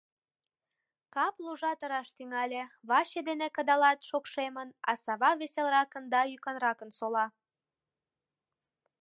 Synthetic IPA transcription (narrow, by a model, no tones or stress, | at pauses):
kɑpluʒɑt̪əɾɑʃt̪yŋɑlʲeβɑɕed̪enekəd̪ɑlɑt̪ʃokʃemənɑ̰sɑβɑβeselrɑkənd̪ɑjykɑnrɑkənsolɑ